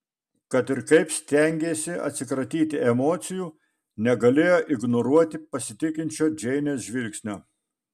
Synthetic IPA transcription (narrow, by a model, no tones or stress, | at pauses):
kɐt̪ɪɾkɐɪpsʲt̪ʲɛˑŋʲɡʲeːsʲɪɐ̰t̪ʲsʲɪkɾɐt̪ʲiːt̪ʲɪɛmoːt̪sʲɪjuː | nʲɛɡɐlʲeːjoːʔɪɡnoɾuɔt̪ʲɪpɐsʲɪt̪ʲɪkʲɪnʲt͡ʃʲoːd͡ʒʲɛɪnʲeːsʒʲʋʲɪlʲksʲnʲoː